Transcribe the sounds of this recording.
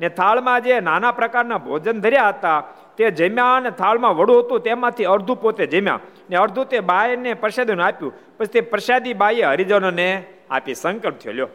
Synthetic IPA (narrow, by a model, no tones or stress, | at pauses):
net̪ʰaɭmãd͡ʒenanapɾəkaɾnabʱo̰d͡ʒənd̪ʱəɾjaɦət̪a | t̪ed͡ʒəmjãnet̪ʰaɭmãʋəɽũɦət̪ũt̪emãt̪ʰiəɾd̪ʱũpot̪ed͡ʒəmjã̰ | neəɾd̪ʱũt̪ebajnepɾʃad̪inũapjũ | pət͡ʃʰt̪epɾʃad̪ibajeɦəɾid͡ʒənone | a̰pisə̃ŋkəpt̪ʰjo̰ljoː